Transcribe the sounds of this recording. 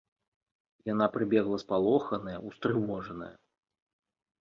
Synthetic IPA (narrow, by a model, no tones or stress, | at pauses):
janapɾɨbʲɛɣlˠɐspalˠɔxɐnɐjɐʔust̪ɾɨvɔʐɐnɐ̰jɐ̰